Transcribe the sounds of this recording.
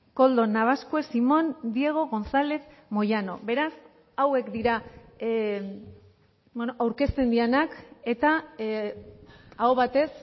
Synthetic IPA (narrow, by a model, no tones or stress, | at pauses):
ko̞ld̪o̞naβ̞askoesimo̞nd̪ie̞ɣ̞o̞ɣ̞o̞nsale̞θmo̞jano̞̰βe̞ɾas | awe̞kd̪iɾa | bonoʔawɾke̞st̪e̞nd̪ienake̞t̪a | aoβat̪e̞s